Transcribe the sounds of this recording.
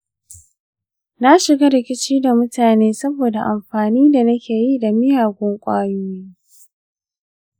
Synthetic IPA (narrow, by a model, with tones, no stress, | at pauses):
na˦ʃɪ˨ɡa˦ɾɪ˨kʲɪ˦t͡ʃiː˦da˨mʊ˦taː˨neː˦sɐ˦boː˨da˨ʔa˨mɸaː˨niː˦da˨nɐ˦kʲeː˨ji˦da˨mɪ˦jaː˨ɡʷʊ˦ŋkʷʼaː˦juː˦jiː˦